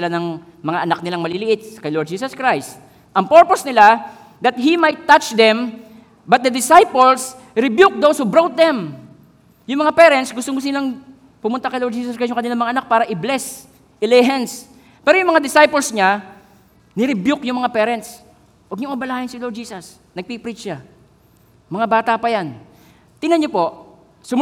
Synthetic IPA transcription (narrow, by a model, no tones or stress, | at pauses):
ɪlanɐŋ | mɐŋaʔɐnak̚nɪlaŋmɐlɪlɪʔɪt̪̚kɐjlɔd̪̚d͡ʒiːsɐskɹajst̪ | ʔɐŋpɛɹposnɪla | d̪ɐt̪̚himajt̪ːat͡ʃd̪ɛm | bɐt̪̚d̪ɐd̪ɪsajpols | ɾɪbjuk̚d̪owshubɾowt̪̚d̪ɛm | jʊŋmɐŋapɛɾɛnt̪sɡʊst̪omʊs̬t̪ʊnɪlaŋ | pʊmʊnt̪akɐjloɾd͡ʒiːsɐskajʊŋkɐnɪlaŋmɐŋaʔɐnak̚paːɾɐʔɪblɛs | ʔɪlɛɦɛns | pɛːɾojʊŋmɐŋad̪ɪsajpolsɲa | nɪɾɪbjukjʊŋmɐŋapɛːɾɛnt̪s | wɐɡ̚ɲʊŋʔɐbɐlaːhɪnsɪloɾd͡ʒiːsɐs | nɐɡ̚pipɾit͡ʃʃa | mɐŋabaːt̪apɐjan | t̪ɪnɐɲopo̞ʔ | sʊ